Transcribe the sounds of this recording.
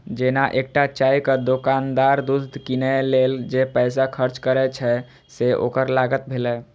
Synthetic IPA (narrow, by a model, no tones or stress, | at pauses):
d͡ʒenaʔek̚ʈat͡ʃajkəd̪okand̪aɾd̪usd̪ʱkinɛleld͡ʒepɛjs̬akʰəɾt͡ʃkəɾɛt͡ʃʰɛ | seʔo̰kəɾlaɡət̪̚bʱelɛ